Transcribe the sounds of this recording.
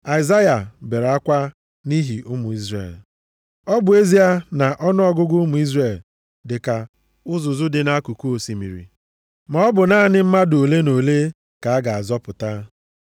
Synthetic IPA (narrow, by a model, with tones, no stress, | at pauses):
a˨i˨za˦ja˨be˨ɾa˦kʷa˦ | ni˦ɦi˨ʔʊ˦mʊ˨i˦zrḛ˦˨l | ɔ˦bʊ˨e˦zi˦a˦na˨ʔɔ˦nʊ˦ɔ˦ɡʊ˦ɡʊ˦mʊ˨i˦zre˦˨l | dɪ˨ka˨ | ʊ˦zʊ˨zʊ˦dɪ˨na˦ku˨ku˦o˨si˨mḭ˨ɾḭ˨ | mɔ˦ɔ˦bʊ˨na˦nɪ˦m̩˦ma˦do˨le˦no˨le˦ | ka˨a˦ɡa˨a˨zɔ˦pʊ˨ta˦